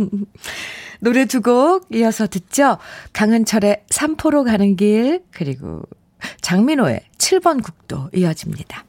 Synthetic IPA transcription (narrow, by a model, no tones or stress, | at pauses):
noɾe̞d͡ʑuɡok̚iʌsʰʌtɯt̚t͡ɕ͈ʰokaŋɯnt͡ɕʰʌɾe̞sʰampʰoɾokanɯnɡiɭkɯɾiɡo̰ | t͡ɕaŋminoḛt͡ɕʰiɭbʌnkuk̚t͈o̰iʌd͡ʑimɲḭd̥a